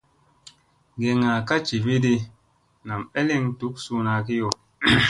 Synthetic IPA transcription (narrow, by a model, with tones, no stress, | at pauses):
ɡe˨ŋa˨ka˦t͡ʃi˨vi˦di˦ | na˨mɛ˦li˦ŋ˦tu˨˦k̚su˦na˨ki˦jo˨